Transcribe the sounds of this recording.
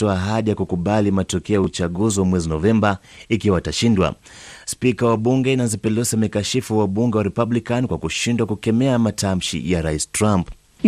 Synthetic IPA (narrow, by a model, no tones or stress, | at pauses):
tɔaːɦaɗijakukuɓalimatɔkɛɔjaut͡ʃaɠuziwamwɛzinɔvɛmba | ikiwaataʃindwa̰ | spikawaɓuŋɡɛnazipɛlɛʃamɛkaʃifuwaɓuŋɡɛwaɾɛpablikankwakuʃindwakukɛmɛamatʰam̩ʃḭjaɾaistɾamp